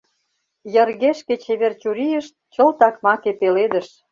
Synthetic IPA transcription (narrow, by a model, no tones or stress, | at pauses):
jə̆rɣeʃket͡ɕeβert͡ɕuɾijəʃt̪̚t͡ɕəlt̪ɑkmɑkepeled̪əʃ